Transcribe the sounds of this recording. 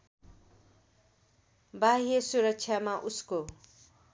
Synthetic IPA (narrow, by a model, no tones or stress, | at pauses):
baɦiesuɾʌk̚t͡sʰjamaʔusko